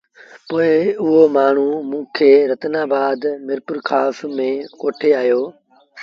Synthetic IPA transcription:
poːɪʊɦomaːɳ̤umũːkʰeːɾət̪naːbaːd̪mɪɾpʊɾkʰaːsmẽːkoːʈʰeaːjoː

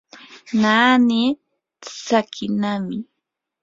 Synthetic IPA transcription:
naːni | t͡sakʰɪnamɪ

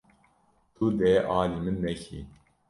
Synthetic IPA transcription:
t̪ʰud̪ɛːʔɑːlimɨnːɛçḭ

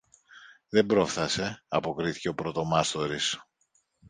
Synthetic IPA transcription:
ðe̞mbɾo̞fθɐse̞ɐpo̞kɾiθi̥ce̞o̞pɾo̞t̪o̞mɐst̪o̞ɾis

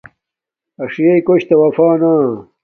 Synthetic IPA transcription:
ɐʂijɐjkoɕt̪ɐwɐfaːnaː

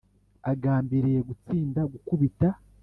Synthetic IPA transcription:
aɡaːmbiɾije̞ɡut͡siːndaɡukuβita

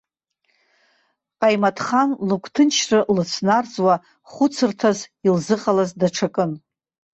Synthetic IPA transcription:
qʼajmatʰχanlukʷʰʼtʰɨnt͡ʃʰrɨlɨt͡sʰnard͡zʼwa | χʷʊt͡sʰɨrtʰazilzɨqʼalazdaʈ͡ʂʰakʼɨn

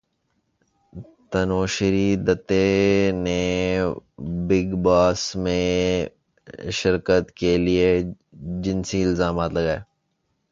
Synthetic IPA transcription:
t̪ɐnoːʃɪɾid̪ət̪ːene | bɪɡbaːsmẽ | ʃɪɾkət̪kelie | d͡ʒɪnsiɪlzaːmaːt̪lɐɡaːeː

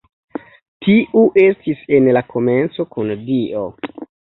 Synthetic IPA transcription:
tʰiʔuʔe̞stise̞nlakʰo̞me̞nt͡so̞kundio̞

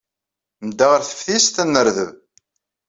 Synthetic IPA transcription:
md̪ːaʁəɾθə̥fθist̪ænːəɾðəv

